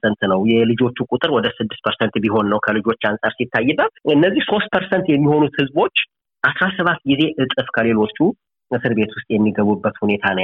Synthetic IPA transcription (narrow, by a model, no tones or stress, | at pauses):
sənt̪nəwjɛlɨd͡ʒo̞t͡ʃːukʼut̪ʼɨɾwɔd̪əsɨd̪ːɨst̪̚pʰəɾsənt̪biɦo̞nːəwkʰəlɨd͡ʒo̞t͡ʃːansʼaɾsit̪ːajːɨbːət̪ɨnːəzːihso̞st̪̚pʰəɾsənt̪jɛmːiho̞nut̪hɨzbo̞t͡ʃː | ʔasɾasəβat̪ːɡize̞ʔɨt̪ʼɨfkʰəle̞lo̞t͡ʃːu | mɨsɨɾbe̞t̪wʊst̪ʼjɛmːiɡəβubːət̪hune̞t̪ʰanə